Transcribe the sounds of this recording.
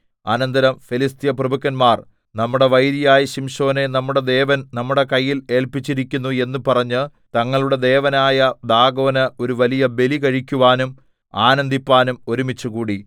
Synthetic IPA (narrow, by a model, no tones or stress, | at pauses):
ɐnɐnd̪ɐɾɐmfilist̪jɐprɐbukːɐnmaːr | nɐmːuɽe̞ʋɐjɾijaːjiɕimɕo̞ːne̞nɐmːuɽe̞d̪e̞ːʋɐnnɐmːuɽe̞kɐjːile̞ːɭpit͡ɕːiɾikʲːunːue̞nːupɐrɐɲːɨ | t̪ɐŋːɐɭuɽe̞d̪e̞ːʋɐnaːjɐd̪aːɡo̞ːnɨo̞ɾuʋɐlijɐbe̞likɐɻikʲːuʋaːnum | aːnɐnd̪ipːaːnumo̞ɾumit͡ɕːuɣuːɽi